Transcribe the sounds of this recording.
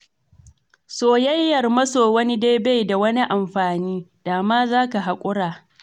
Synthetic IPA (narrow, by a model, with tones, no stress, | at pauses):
soː˨jɐ˦jːɐ˨rmɐ˦soː˨wɐ˦ni˦da˦jba˦˨jda˨wɐ˦ni˦ʔa˨mɸaː˨niː˦d̥aː˨maː˦zaː˦ka˨ɦa˨kʷʼʊ˦ɽaː˨